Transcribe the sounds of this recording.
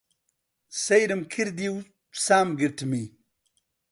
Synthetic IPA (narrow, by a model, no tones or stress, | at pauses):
sɐjɾimkʰiɾd̪iw | saːmɡiɾʈmi